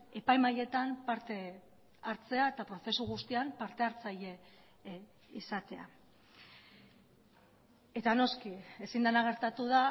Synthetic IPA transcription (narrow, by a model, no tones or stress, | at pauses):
e̞pajmaje̞t̪ampaɾt̪e̞ | aɾt͡se̞ae̞t̪apɾo̞θe̞suɣ̞ust̪iampaɾt̪e̞aɾt͡saje̞ | isat̪e̞a̰ | e̞t̪ano̞skie̞sind̪anaɣ̞e̞ɾt̪at̪uða